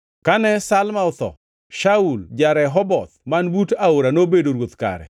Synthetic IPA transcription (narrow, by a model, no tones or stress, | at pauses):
kanɛsalmaʊt̪ɔ̰ | ʃauld͡ʒaɾɛɦɔbɔt̪manbutaoɾanobedoɾwot̪ka̰ɾɛ̰